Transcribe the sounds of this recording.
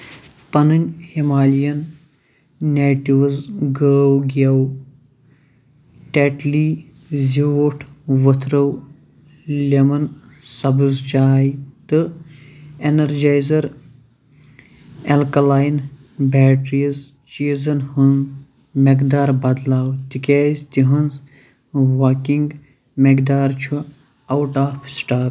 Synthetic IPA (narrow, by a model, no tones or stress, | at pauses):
pɐnɨnʲhimaːlijɐnː | eːʈiʋɐzɡəːwɡɐw | ʈeʈliː | ziʋoːʈʰʋət̪ʰɾɐw | lʲemɐn | sɐbɨzt͡ʃaːjt̪ɨ | enɐɾd͡ʒaːjzɐɾ | elkɐlaːjn | bɛːʈɾijɐz | t͡ʃiːzɐnhunz | mekd̪aːɾbɐd̪laːwt̪ikʲaːzt̪iɦɐnz | ʋaːkiŋɡ | mekd̪aːɾt͡ʃʰu | ɐwʈaːpʰsʈaːɾ